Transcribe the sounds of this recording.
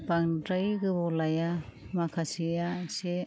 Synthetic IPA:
baŋdɾajɡɯbɔlaja | makʰasijase

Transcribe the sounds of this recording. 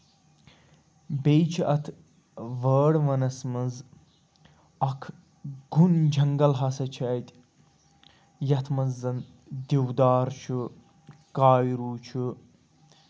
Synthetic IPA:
bejt͡ʃʰɐt̪ʰ | ʋəːɽʋɐnɐsmɐz | ɐkʰ | ɡund͡ʒʱɐŋɡɐlɦɐsɐt͡ʃʰɐjt̪ʲ | jɐt̪ʰmɐzːɐn | d̪iwd̪aːɾt͡ʃʰu | kaːjɾuːt͡ʃʰu

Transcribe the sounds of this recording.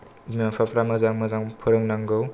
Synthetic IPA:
mapʰapʰɾamazaŋmazaŋpʰɯɾɯŋnaŋɡɯw

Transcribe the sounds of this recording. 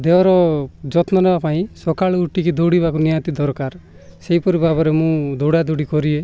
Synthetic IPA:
d̪eɔɾɔd͡ʒɔt̪nɔnɔbapaĩsɔkaɭɡuʈikid̪oɽibakunijat̪id̪ɔɾkaɾ | seɦipɔɾibʱabɔɾemũd̪oɽad̪oɽikɔɾie

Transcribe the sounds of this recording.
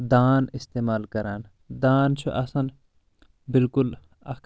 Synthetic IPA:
d̪aːnist̪eːmaːlkɐɾaːn | d̪aːnt͡ʃʰuʔɐsɐn | bilkul | ɐk

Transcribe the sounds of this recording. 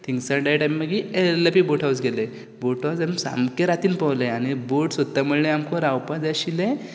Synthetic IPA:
t̪ʰiŋɡsəɖajʈajmːəɡieləpiboʈʰawsɡele | boʈʰad͡zamsa̰mkeɾat̪iːnpawleeañiboʈsət̪ːaməɭleamkoɾawpad͡zaɕilẽ

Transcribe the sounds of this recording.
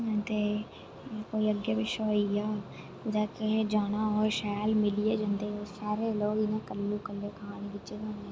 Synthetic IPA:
t̪eː | koːiːəɡjaːbɪʃaːijaː | ʊd̪aːked͡ʒaːɽ̃aːɦoːeʃɛːlmɪlijeːd͡ʒãːnd̪eːɦoːsaːɾeːloːɡɪnãːkəlːũːkəlːeːkaːnikɪt͡ʃeːd͡ʒãːneː

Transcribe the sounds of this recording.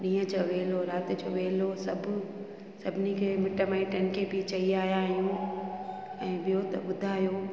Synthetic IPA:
ɗĩːə̃t͡ɕʰɐʋeːloɾaːt̪et͡ɕʰoʋeːlosɐbʱʊ | sɐbʱɪnikʰeːmɪʈəmaːiʈɐnkʰebit͡ɕɐiaːɦijaːɦijũ | ɛ̃ːɓijot̪ɐɓʊd̪ʱaːɦjoː

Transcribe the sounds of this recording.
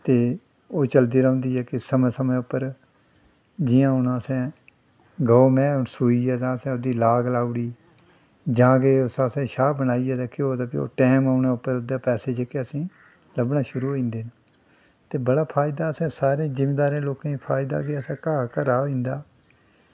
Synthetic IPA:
t̪eː | oːt͡ʃəld̪iːɾõːnd̪iːɦɛːkɪsəmɛ̃ːsəmɛ̃ːʊpːəɾ | d͡ʒɪjãːɦʊnãːəsɛ̃ː | ɡəoːmɛ̃ːʊnsuːiːɛːt̪ãːəsɛ̃ːod̪iːlaːɡlaːʊɽiː | d͡ʒãːkeːʊsãːsɛ̃ːʃaːbənaːiːɛːd̪aːkɪoːd̪ãːpɪo̰ːʈɛːmaːnẽːʊpːəɾod̪ãːpɛːseːd͡ʒekeːəsĩː | ləbnaːʃʊɾuːɦoĩːnd̪eːna | t̪eːbəɽaːpʰaːɪd̪aːəsɛ̃ːsaːɾẽːzɪmeːd̪aːɾẽːloːkãːipʰaːɪd̪a̰ːkeːəsɛ̃ːkaːkəɾaːĩːnd̪aː

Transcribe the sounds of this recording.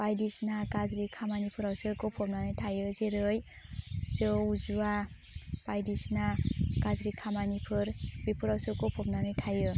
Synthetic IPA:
b̥ajdisnakazɾikʰamanipʰɯɾawsɯkɔpʰɔp̚nanɯjtʰajɯzeɾɯj | zɯuzua | b̥ajdisnakazɾikʰamanipʰɯɾbipʰɯɾawsɯkɔpʰɔp̚nanɯjtʰajɯ

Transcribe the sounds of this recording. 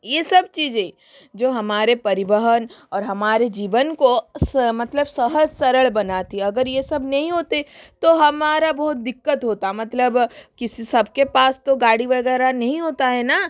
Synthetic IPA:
jesɐb̚t͡ʃiːzẽ | d͡ʒoːɦɐmaːɾepɐɾɪʋəɦənɔːɾɦɐmaːɾed͡ʒiːʋənkosmɐt̪ləbsɐɦəd͡ʒsɐɾəɭbɐnaːt̪iɐɡəɾjesɐbnɐɦĩɦoːt̪et̪oɦɐmaːɾabɔːt̪̚d̪ɪkːət̪ɦoːt̪amɐt̪ləbkɪsisɐbkepaːst̪oɡaːɽiʋɐɡɛːɾanɐɦĩɦoːt̪aɦɛːnaː

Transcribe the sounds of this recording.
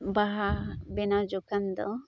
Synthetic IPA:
baɦabenad͡ʒokand̪ɔ

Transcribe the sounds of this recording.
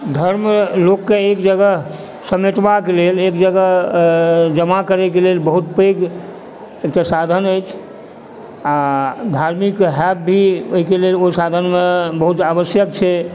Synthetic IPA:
d̪ʱəɾmlokːeekd͡ʒəɡəɦ | səmeʈbakelelekd͡ʒəɡəɦ | d͡ʒəmakəɾɛkelelbəɦut̪̚peɡ | ek̚ʈasad̪ʱənəjt͡ʃʰ | ad̪ʱaɾmikɦɛp̚bʱioɦikeleloisad̪ʱənmebəɦut̪abəsjəkt͡ʃʰɛ

